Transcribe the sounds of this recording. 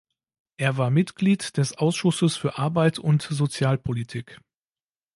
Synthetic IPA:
ʔeːɐvaːɐmɪtɡ̥liːtd̥ɛsʔaʊsʃʊsəsfyːɐʔaɐbaɪtʰʊntzot͡sjaːlpʰolitʰiːk

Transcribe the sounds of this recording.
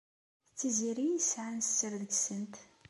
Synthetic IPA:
t͡sːiziɾijisʕanst͡sːəɾðəɡsənt̪

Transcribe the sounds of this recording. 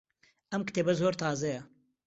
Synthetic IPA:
ʔɐmkɨ̥t̪eːbɐzoːɾt̪ʰaːzɐjɐ

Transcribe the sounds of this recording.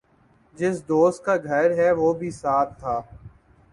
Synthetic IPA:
d͡ʒɪsd̪oːst̪̚kaːɡʱəɾɦɛʋoːbʱiːsaːt̪ʰːaː

